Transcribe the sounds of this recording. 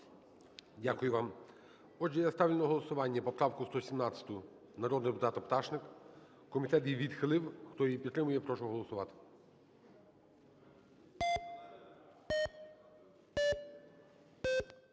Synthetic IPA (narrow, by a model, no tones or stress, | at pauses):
dʲakʊjʊʋɑm | ɔdʒɛjast̪ɑʋʲlʲɪnɐɦɔlˠɔsʊʋɑnʲːɐpɔpɾɑwkʊst̪ɔsʲimnɑt͡sʲɐ̥t̪ʊ | nɐɾɔd̪nd̪epʊt̪ɑt̪ɐpt̪ɑʃnɪk | kɔmʲit̪ɛt̪jiʋʲid̪xɪlˠɪwxt̪ɔjipʲit̪t̪ːɾɪmʊjɛpɾɔʃʊɔɦɔlˠɔsʊʋɑt̪ɪ̥